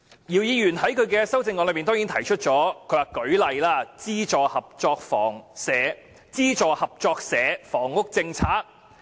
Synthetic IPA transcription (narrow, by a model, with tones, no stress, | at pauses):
jiː˨˩wjiː˨˧jyː˨˩nhɐ˨˥jkʰɵ˨˧ɥkɛː˧sɐ˥wt͡sɪ˧ŋɔ˧lɵ˧mi˨nt̪ɔ˥ŋi˨˥nt̪ʰɐ˨˩jt͡ʃʰɵ˥t̚t͡ʃɔː˨˥kʰɵ˨˧ɥwaː˨˩kɵ˨˥ɥlɐ˨jlaː˥t͡siː˥t͡ʃɔː˨hɐ˨p̚t͡ʃɔː˧k̚fɔ̰ː˨˩ŋsɛː˨˥ | t͡siː˥t͡ʃɔː˨˧hɐ˨p̚t͡ʃɔː˧k̚sɛː˨˥fɔː˨˩ŋːʊ˥k̚t͡sɪ˧ŋt͡sʰaː˥k̚